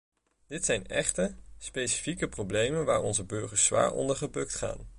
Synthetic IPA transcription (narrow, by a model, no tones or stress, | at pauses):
d̥ɪtsɛjnɛχtəspejsi̥fikəprowblejmənʋaːɹɔ̰nzəbɵɹχəɹsʋa̰ːɹɔ̰ndəɹχəbɵktχa̰ːn